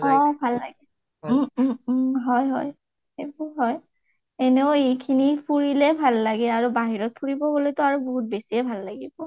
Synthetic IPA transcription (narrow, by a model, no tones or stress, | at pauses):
ɔbʱalːa̰ɡɛ | m̩ | ɦɔjɦɔ̰j | ebʊɦɔj | eneʊejkʰinipʰuɹilɛbʱalːaɡɛaɹubaɦiɹɔt̚pʰuɹibɔbolojtɔaɹuboɦut̚besiɛbʱalːaɡibɔ